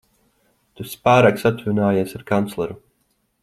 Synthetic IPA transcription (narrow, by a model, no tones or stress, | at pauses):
t̪uspaːɾaksat̪vunaːjasaɾkant̪slˠɛɾu